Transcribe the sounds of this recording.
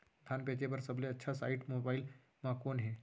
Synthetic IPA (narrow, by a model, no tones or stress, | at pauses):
d̪ʰʱanpet͡ɕebəɾsəbleətːʃʰasaiʈmobail | makonɦe